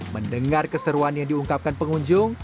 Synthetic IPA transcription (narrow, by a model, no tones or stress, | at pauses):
məndəŋarkəsəɾuanjaŋdiuŋkap̚kanpəŋuɲd͡ʒʊŋ